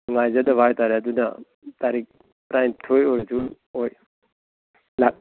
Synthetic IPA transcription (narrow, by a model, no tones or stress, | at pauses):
ŋajzadabʱajtaɾjaduna̰ | taɾik̚ | pɾajntʰojɔɾtun | ɔj | lak̚